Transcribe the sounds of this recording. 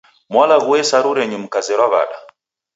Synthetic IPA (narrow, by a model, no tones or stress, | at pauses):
mwalaɣuwɛsaɾuɾɛɲum̩kazɛɾwaβa̰ɗa̰